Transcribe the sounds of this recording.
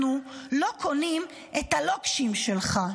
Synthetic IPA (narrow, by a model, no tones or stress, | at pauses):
nulokʰonim | ʔet̪alokʃimʃelχa